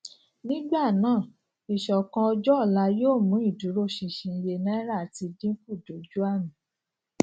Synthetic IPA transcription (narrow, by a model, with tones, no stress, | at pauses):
nĩ˦ɡ͡ba˦˨nãː˦˨ | i˨ʃɔ˨kã˧ɔ˧d͡ʒɔ˦ɔ˦˨la˧˦joː˦˨mũ˨˦i˦˨du˨˦ɾo˦˨ʃi˧˨ʃĩ˨˧je˧nɛ̃˦ɾa˦˨ti˧dĩ˦ku˦˨do˨˦d͡ʒu˦a˦˨nũ˨˦